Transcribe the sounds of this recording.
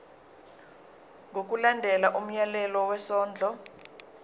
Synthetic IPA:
ŋɡʱok̬ʼulandʱɛlaʔum̩jalɛlɔwɛsɔːnd͡ɮʱɔ

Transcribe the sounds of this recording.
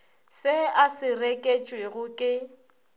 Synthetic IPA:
sɪasɪrekʼet͡ʃʼweɣʊkʼɪ

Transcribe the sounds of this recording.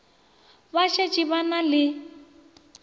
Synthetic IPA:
βaʃɛt͡ʃʼiβanalɪ

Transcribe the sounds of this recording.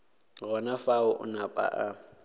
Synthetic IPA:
ɣɔnafaʊʔʊ̰napʼa̰ʔa

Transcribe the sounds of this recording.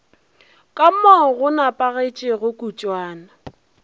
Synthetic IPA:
kʼam̩mɔɣʊnapʼaɣet͡ʃʼɪɣʊkʼut͡ʃʼwaːna

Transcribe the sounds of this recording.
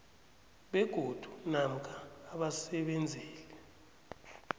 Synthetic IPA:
ɓɛɡ̥ʱod̥ʱu̥nam̩kʼʰaːɓasɛɓɛnd͡zʱɛːlɛ

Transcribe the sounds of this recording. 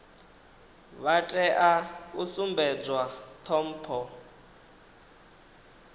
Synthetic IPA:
βatʼɛʔausumbɛd͡zwat̪ʰɔm̩ːpʰɔ

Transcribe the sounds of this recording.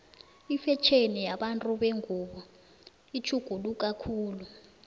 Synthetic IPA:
ifɛt͡ʃʰenijaɓantʼuɓeŋʱuːɓɔ | it͡ʃʰuɡ̥ʱuluk̬ʼakʰuːlu

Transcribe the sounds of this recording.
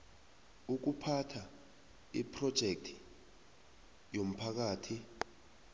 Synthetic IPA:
uk̬upʰatʰa | ḭpʰrɔd̥ʒ̥ʱek̚tʰi̥ | jom̩pʰak̬aːtʰi

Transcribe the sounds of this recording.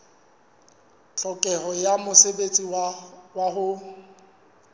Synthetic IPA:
t͡ɬʼɔkʼɛɦɔjamʊsebet͡sʼiwaɦʊ

